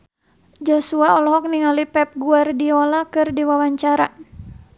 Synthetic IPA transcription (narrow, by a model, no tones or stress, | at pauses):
d͡ʒɔsuaɔlɔɦɔk̚niŋalipɛp̚ɡuardiɔlakɨrdiwawaɲt͡ʃaɾa